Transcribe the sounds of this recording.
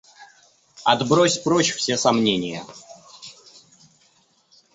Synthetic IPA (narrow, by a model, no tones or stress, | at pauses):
ɐd̪bɾosʲpɾot͡ɕfsʲesɐmnʲenʲɪjə̰